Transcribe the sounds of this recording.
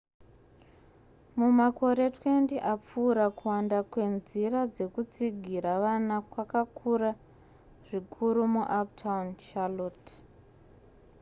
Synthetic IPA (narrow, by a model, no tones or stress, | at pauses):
mumako̞ɾe̞twe̞ndeʔap͡fuːɾakuwandakwe̞nzirad͡ze̞kut͡siɡʱiɾaʋanakwakakʰuɾa | ʐ̥ikʰuɾumuʔap̚tʰaunʃalot